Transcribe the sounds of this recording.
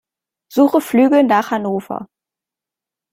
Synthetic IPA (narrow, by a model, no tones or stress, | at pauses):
z̥uːχəflyːɡl̩naːχhanoːfɐ̰